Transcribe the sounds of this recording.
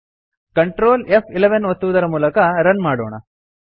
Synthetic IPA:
kɐɳʈɾoːlepʰileʋɐnʋot̪ːuʋud̪ɐɾɐmuːlɐkɐɾɐnmaːɽo̰ːɳɐ̰

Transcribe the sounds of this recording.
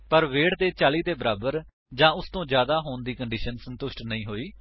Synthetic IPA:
pəɾʋeːɽt̪eːt͡ʃaːliːt̪eːbəɾaːbəɾ | d͡ʒãːʊst̪õːd͡ʒjaːd̪aːɦoːɳd̪iːkəɳɖiːʃənsənt̪ʊʃʈnəĩːɦoːiː

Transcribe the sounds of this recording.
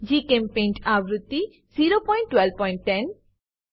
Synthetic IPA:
d͡ʒikempẽnʈʰabɾut̪ːi | ziɾopɔjɳʈːwɛlb̚pɔjɳʈːɛn

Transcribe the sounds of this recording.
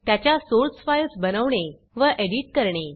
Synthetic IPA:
t̪jat͡ɕjasoɾsfajlsbənəʋɳe | ʋəʔeɽiʈ̚kəɾɳe

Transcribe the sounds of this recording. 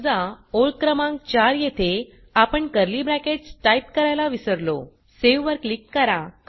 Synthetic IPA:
d͡zaoɭkɾəmãŋk̚t͡ɕaɾjet̪ʰe | apəɳkəɾlibɾakeʈsʈajp̚kəɾajlaʋisəɾlo̰ | seʋʋəɾklikːəɾak

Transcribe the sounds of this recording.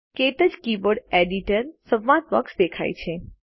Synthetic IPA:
ket̪əd͡ʒkibəɾɖeɖiʈəɾsə̃ʋʋãt̪ʋə̰ksd̪ekʰa̰jt͡ʃʰe

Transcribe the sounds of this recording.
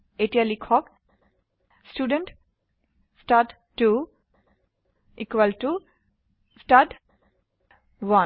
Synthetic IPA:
eʈialikʰɔk | sʈuɖə̃ɳʈ | sʈaʈ | ʈu | ikwʋəlʈu | sʈaʈ | ʋã

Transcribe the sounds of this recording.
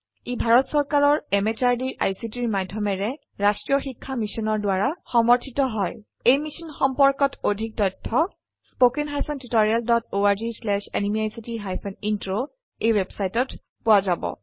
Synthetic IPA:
ebʱaɹɔtsɔɹkaɹɔɹɛmet͡ʃaɹdiɹʔa̰jsitiɹmadʱjɔmɛɹɛ | ɹastɹijɔxikʰːamisɔnɔɹdwaɹaxɔmɔɹtʰitɔɦɔj | ejmisɔnxɔmpɔɹkɔtʰodʱik̚tɔjtʰːɔ | spokenɦajsɔntitɔɹialdɔtoaɹzislɛʃɛ̰nimiajsitiɦajpʰɛnintɹo | ejwebsajtɔt | pʊwazabɔ̰

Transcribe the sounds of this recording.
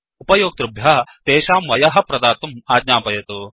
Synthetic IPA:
upɐjoːk̚t̪ɾubʱjɐt̪eːʃaːmʋɐjɐɦɐ̆pɾɐd̪aːt̪umaːd̪ɲaːpɐjɐt̪u

